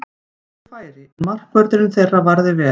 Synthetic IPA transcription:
faːjɾɪmar̥kpœɾt̪ɪɾʏmθejrːavaɾðɪvɛː

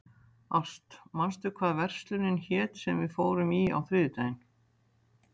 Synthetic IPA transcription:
ast̪manst̪ʏkʰvaːðvɛr̥st̪lʏnɪnçɛːt̪sɛmvɪðfoːwɾʏmia̰wθɾɪðʏt̪aːjɪn

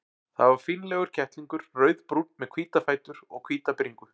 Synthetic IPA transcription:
θaðvaɾ̥fiːnlɛɣʏɾ̥cʰɛht̪liŋkʏɾ̥rœːɥðpɾut̪mɛðkʰv̥iːt̪afaːjt̪ʏɾɔɣkʰviːt̪apɾiŋkʏ

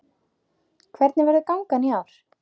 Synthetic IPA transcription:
kʰvɛɾt̪nɪvɛɾðʏkawŋkaniawɾ̥

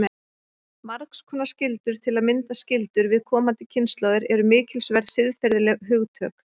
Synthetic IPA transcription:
maɾkskʰɔnascɪlt̪ʏɾ̥t̪ʰɪlaðmɪnt̪ascɪlt̪ʏɾvɪðkʰɔːmant̪ɪcʰɪnst̪lɔwðɪɾɛɾʏmɪːcɪlsvɛɾðsɪðfɛɾðɪlɛɣɦʏɣt̪ʰœːk

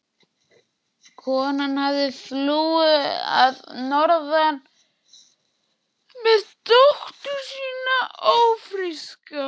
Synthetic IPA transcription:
kʰɔːnanhavðɪθluːɪa̰ðnɔɾðan | mɛðt̪oht̪ʏɾ̥siːnaoːwfɾiska

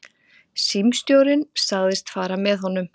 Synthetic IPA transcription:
simst̪jowɾɪnsaɣðɪst̪faːɾamɛðhɦɔnːʏm

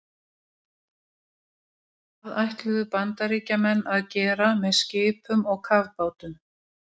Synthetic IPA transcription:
aðajht̪lʏðʏpant̪aɾiːcamɛnːaðcɛːɾamɛðscɪːpʰʏmɔɣkʰavpaːwt̪ʏm

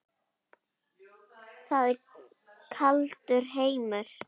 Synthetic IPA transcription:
θaðɪɾ | kʰalt̪ʏɾ̥ɦeːjmʏɾ̥

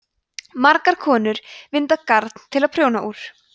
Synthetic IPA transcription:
maɾkaɾ̥kʰɔːnʏɾvɪnt̪akaɾt̪n̥t̪ʰɪlaðpʰɾjownaʔuːɾ̥

